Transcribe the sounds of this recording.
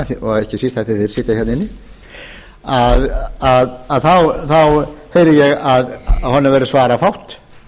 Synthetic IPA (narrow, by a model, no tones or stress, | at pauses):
θɔɛhcɪsist̪hɛθɪθɪɾ̥sɪːt̪açɛtnɪnːɪ | aðaðaðθawθawhejɾɪjɛɣaðhɔnːavɛɾʏsvaːɾafawht̪